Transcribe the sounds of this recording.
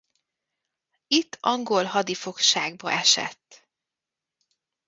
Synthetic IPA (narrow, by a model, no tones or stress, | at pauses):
it̪ːɒŋɡo̞lɦɒd̪ifo̞kʃaːɡ̚bɒ̰ʔɛʃɛ̰t̪ː